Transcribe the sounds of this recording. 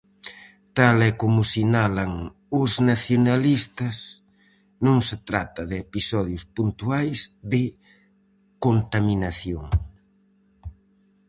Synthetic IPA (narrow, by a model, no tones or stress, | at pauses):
t̪alɛkomʊsinalɐŋ | ʊznaθjonalist̪ɐs | nõŋset̪ɾat̪ɐðɪepisɔð̞jʊspunt̪uajzðɪ | kont̪aminaθjoŋ